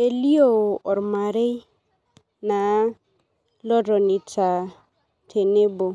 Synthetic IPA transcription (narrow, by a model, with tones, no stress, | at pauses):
e˨li˦o˦˨ɔ˨ɾma˨ɾe˦i˦ | na˨ | lɔ˦ɾɔ˨ni˨tʰa˨ | tʰe˨ne˦bɔ˨